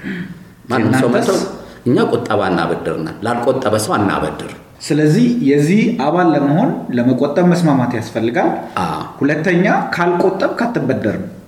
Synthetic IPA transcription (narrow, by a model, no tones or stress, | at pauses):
mannːɨnasəwməəwɨɲːakʼot̪ʼːəβanːa̰βəd̪ɨ̰ɾɨna̰nlalkʼot̪ʼːəβəsəwanːa̰βə̰d̪ːɨɾ | sɨləzːihjɛzːihaβalːəməho̞nləməkʼot̪ʼːəβmːəsmamat̪jasfəlːɨɡalʔahulət̪ːəɲːakʰalkʼot̪ʼːəβkʰat̪ʰːɨbːəd̪ːəɾɨm